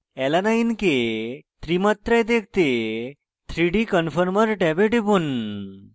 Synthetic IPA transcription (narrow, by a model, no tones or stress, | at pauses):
ɛlanainket̪ɾimət̪ɾajd̪ek̚ʰt̪e | t̪ʰɾiɖikənfəɾməɾʈɛbeʈebun